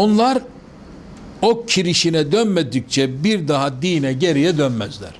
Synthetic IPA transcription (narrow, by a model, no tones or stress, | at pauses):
onlˠaɾ | ok̚cʰiɾiʃinɛd̪ønmed̪ic̚t͡ʃʰɛbiɾd̪aɦad̪iːnɛɟe̞ɾijɛd̪ønmæzlʲæ̰ɾ̥